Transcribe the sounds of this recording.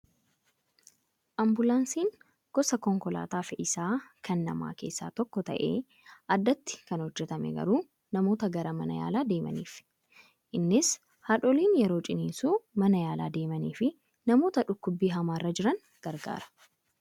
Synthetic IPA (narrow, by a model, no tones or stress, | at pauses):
ʔɐmbʊlaːnsiːŋ | ɡ̥ɔsɐkɔŋkɔla̰ːt̪aːfɪʔɪsaːkʰɐnːɐ̰ma̰ːke̞̰ːsːa̰ːt̪ɔkːɔt̪ɐ̰ʔe̞̰ː | ʔɐd̪ːɐt̪ːɪ̥kɐnhɔd͡ʒːɛt̪ɐmɛ̰ɡɐ̰ɾuː | nɐmo̞ːt̪ɐɡɐɾɐmɐnɐja̰ːlaːd̪e̞ːmɐ̰nḭːf | ʔɪnːɪs | haᶑɔliːnjɛɾo̞ːt͡ʃʼɪniːsuːmɐnɐjaːla̰ːd̪e̞ːmɐniːfɪ | nɐmo̞ːt̪ɐᶑʊkːʊbːiːɦɐmaːrːɐd͡ʒɪɾɐŋ | ɡ̥ɐɾɡa̰ːɾɐ̥